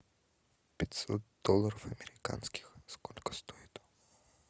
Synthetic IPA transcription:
pʲɛt̪sɔt̪̚d̪ɔlˠaɾɔfɐmɛɾika̰nskʲi̥xskɔlʲkɔ̥st̪ɔit̪ɔ̥

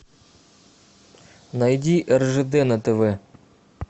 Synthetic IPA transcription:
nɐjdʲiʔɛrʐɛd̪ɛnɐt̪ɛʋɛ

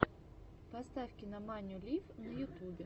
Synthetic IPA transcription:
pɐst̪afʲkʲɪnɐmanʲʊlʲifnɐjʊt̪ubʲɛ

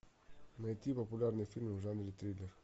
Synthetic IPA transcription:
naet̪ipopulʲaɾnifilmuʒand̪ɾit̪ɾileɾ

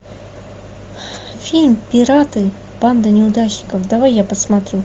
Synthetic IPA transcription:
fʲilʲmpʲɪɾat̪ɨ | b̥and̪ənʲɪʊd̪aɕnʲɪkəfd̪avajːapəsmat̪ɾʲu

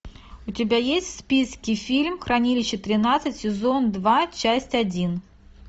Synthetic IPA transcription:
ʊtʲɪbʲajesʲtʲfspʲiskʲɪfʲilʲmxɾɐnʲilʲɪɕːɪt̪ɾʲɪnat̪sɨtʲsʲɪzond̪vat͡ɕasʲtʲadʲin

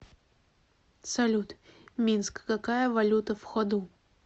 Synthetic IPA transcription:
sɐlʲut̪mʲinskːakajəvɐlʲut̪əfxɔd̪u

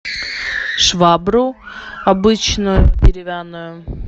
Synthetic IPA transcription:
ʂvabɾʊɐbɨt͡ɕnʊjʊdʲɪɾʲɪvʲanːʊjʊ

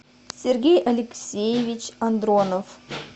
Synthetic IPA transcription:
sʲerɡʲejʔɐlʲɪksʲejevʲit͡ɕɐnd̪ronof

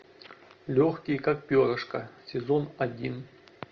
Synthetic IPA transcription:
lʲoxkʲijkak̚pʲoɾəʂkɐsʲɪzonadʲin

